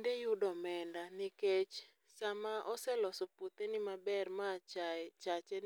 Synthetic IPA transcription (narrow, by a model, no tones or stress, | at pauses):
ndejudɔmɛndanɪket͡ʃ | samaʔɔsɛlɔsɔpot̪enɪmabɛrmat͡ʃt͡ʃat͡ʃe